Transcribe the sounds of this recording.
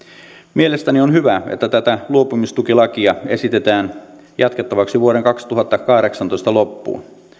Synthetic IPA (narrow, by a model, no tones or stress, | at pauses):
mie̞lest̪ænionhyʋæḛt̪ːæt̪æt̪æluopumist̪ukilɑkiɑe̞sit̪et̪æːn | jɑt̪ke̞t̪ːɑʋɑksiʋuoɾeŋkɑkst̪uɦɑt̪ːɑkɑhɾeksɑnt̪ojst̪ɑlopːṵː